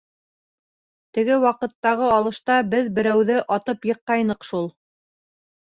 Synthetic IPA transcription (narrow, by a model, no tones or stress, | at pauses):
t̪ɘ̆ɡɘwɑqɤ̆t̪ːɑʁɤɑlˠɤ̆ʃt̪ɑbɘðbɘ̆ɾæwðɘʔɑt̪ɤpjɤ̆qːɑjnɤ̆qʃulˠ